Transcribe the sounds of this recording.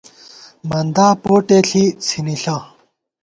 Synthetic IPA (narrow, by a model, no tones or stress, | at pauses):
mɐnd̪aːpoːʈeɬʰit͡sʰiniɬa